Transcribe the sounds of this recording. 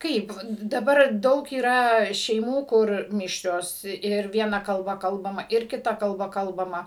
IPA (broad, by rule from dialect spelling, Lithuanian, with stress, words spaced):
ˈkɐɪp dɐˈbɐr ˈdɐʊk iːˈrɐ ʃʲɛɪˈmuː ˈkʊr ˈmʲɪʃʲrʲoːs ɪr ˈʋʲiɛnɐ kɐlˠˈbɐ ˈkɐlˠbɐmɐ ɪr kʲɪˈtɐ kɐlˠˈbɐ ˈkɐlˠbɐmɐ